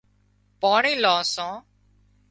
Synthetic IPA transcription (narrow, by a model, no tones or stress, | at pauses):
paːɳĩːlãːsãː